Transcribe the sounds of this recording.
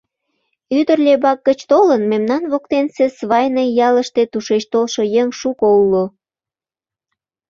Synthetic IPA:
yd̪ərlʲebɑk̚ɡət͡ɕt̪olənmemnɑnβokt̪ensesβɑjnejɑləʃt̪et̪uʃet͡ɕt̪olʃojeŋʃukoulo

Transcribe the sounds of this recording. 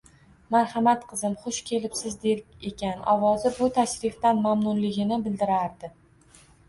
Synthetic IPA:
maɾhamat̪qʰɨzɪmχʊʃkʲʰe̞lɪpsɪzd̪e̞ɾʲe̞kʲanɒvɒzɪbʊt̪ʰaʃɾɪft̪anmamnʊnlɪɡʲɪnɪbɪld̪ɪɾaɾd̪ɪ

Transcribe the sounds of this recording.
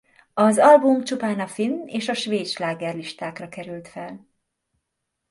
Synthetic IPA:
ɒzɒlbumt͡ʃupaːnɒfinːeːʃɒʃʋeːt̪ʃlaːɡɛrliʃt̪aːkrɒkɛɾylt̪fɛl

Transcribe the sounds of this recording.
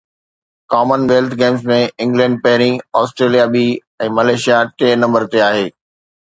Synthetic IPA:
kaːmənʋeːlt̪ʰɡeːmzmẽɪ̃ŋɡlɛ̃ːɳɖ̚pɐɦɪɾ̃ĩɔːsʈɾeːlijabiː | ɛ̃ːmɐleːʃijaʈeːnɐ̃mbəɾt̪eaːɦeː

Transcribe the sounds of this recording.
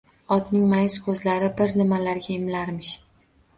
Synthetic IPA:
ɒt̪nɪŋmajskʰɵzlaɾɪbɪɾnɪmalaɾɡʲaɪmlaɾmɪʃ

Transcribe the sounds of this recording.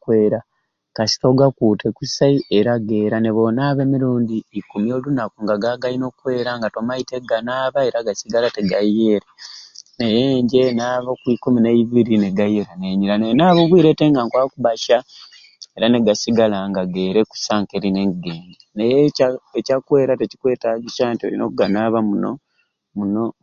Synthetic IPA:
kweːɾa | kasi̥toɡakuːtʰe̞kusaiʔeɾaɡe̞ːɾane̞βo̞naːβe̞ːmiɾuːndiːkumjo̞lunakuŋɡaɡaɡaino̞kwe̞ːɾaŋɡato̞maite̞ɡanaːβae̞ɾaɡasiɡalateɡajeːɾenejeːɲɟe̞naːβokwikuminaiβiɾineɡajeɾaneɲilanenaːβoβwiːɾe̞teːŋɡaŋkwakuβaʃa | e̞ɾane̞ɡasiɡalaŋɡaɡe̞ːɾeku̥saːŋkeɾineːŋɡeːɲɟenejeecakwe̞ːɾate̞ci̥kwe̞ːtaɡiʃaːntio̰lḭno̰kuɡanaːβamuno̰ | muno̞

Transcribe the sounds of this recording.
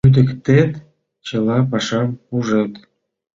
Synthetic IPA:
yd̪ə̆kt̪et̪ | t͡ɕə̆lɑpɑʃɑmuʒet̪

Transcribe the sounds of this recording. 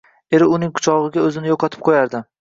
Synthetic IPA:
e̞ɾɪʊnɪŋkʰʊ̥t͡ʃʰɒʁɨɡʲaɵzɪnɪjoqʰɒt̪ʰɪp̚qʰojaɾd̪ɪ

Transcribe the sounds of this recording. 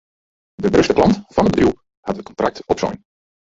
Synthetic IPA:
dəbrɵstəplɑntfɔnədbədrju | hatət̚kɔntrak̚tɔpsɔ̰jn

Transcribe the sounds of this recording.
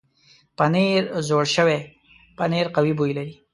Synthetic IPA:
pəneɾzoɽʃəwe | pəneɾqawibujlaɾi

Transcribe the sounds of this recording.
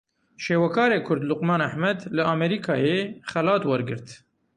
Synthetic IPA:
ʃeːwɛkʰɑːɾeːkʰʊɾd̪lʊqmɑːnaħmɛd̪lɨɑmɛɾiːkʰɑːjeːχɛlɑːt̪wɐɾɡɨɾt̪

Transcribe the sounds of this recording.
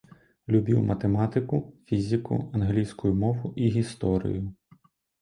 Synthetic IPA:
lʲubʲiwmʔɐt̪emɑt̪ɪkʊfʲizʲikʊ̰ɐnɦlʲijsʲkʊjʊmɔʋʊʔiɦʲist̪ɔɾʲɪ̰jʊ

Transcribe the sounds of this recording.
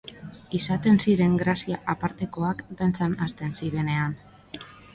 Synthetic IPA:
isat̪e̞nsiɾe̞ŋɡɾasiaʔapaɾt̪e̞ko̞akd̪ant͡sanast̪e̞nsiɾe̞ne̞an

